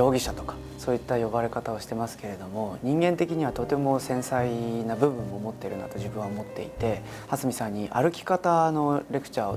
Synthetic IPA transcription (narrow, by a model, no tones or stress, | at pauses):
o̞ːɡʲiɕat̪o̞kḁ | so̞ːit̪ːajo̞baɾe̞kat̪ao̞ɕi̥t̪e̞masɨ̥ke̞ɾe̞d̪o̞mo̞ɲ̟ĩŋɡẽ̞nt̪e̞kʲiɲ̟iβ̞at̪ot̪e̞mo̞sẽ̞ɰ̃sainabɯ̟bɯ̟̃mːo̞ːmo̞t̪ːe̞ɾɯ̟na̰t̪o̞ʑibɯ̟̃ɰ̃aomo̞t̪ːe̞̰it̪e̞ | hasɨmʲisãɲ̟ːiʔa̰ɾɯ̟kʲi̥kat̪ano̞ɾe̞kɯ̥t͡ɕaːo